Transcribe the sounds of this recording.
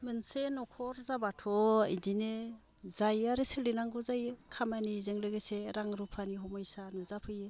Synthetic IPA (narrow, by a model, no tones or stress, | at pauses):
mɯnsenɔkʰɔɾzabatʰɔḛdinɯ | zajaɾɯsɯlinaŋɡuzajɯkʰamanizɯŋlɯɡɯseɾaŋɾupʰaniɦɔmɔjsanuzapʰɯjɯ